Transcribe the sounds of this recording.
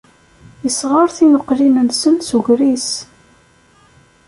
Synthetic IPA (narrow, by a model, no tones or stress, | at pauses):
jəsʁəɾθinəqːlinənsənsuʝɾis